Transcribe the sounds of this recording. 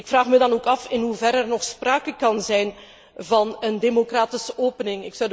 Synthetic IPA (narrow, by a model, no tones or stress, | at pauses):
ɪkfraːχmədɑnoːkɑfɪnɦuvɛɾɛrnɔxspraːkəkɑnzɛjn | vɑnəndemokraːtɪsəʔoːpənɪŋɪksɒwd